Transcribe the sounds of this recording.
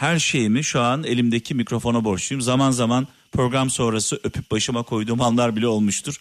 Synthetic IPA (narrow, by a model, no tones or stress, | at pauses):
hæɾʃe̞jimiʃuane̞lʲimd̪e̞cʰimicɾo̞fo̞nabo̞ɾt͡ʃʰujumzamanzaman | pʰɾo̞ɡɾamso̞nɾasɯʔø̞pʰyp̚baʃɯmakʰo̞jd̪uːmhanlˠaɾbilʲɛo̞lˠmuʃt̪ʰuɾ̥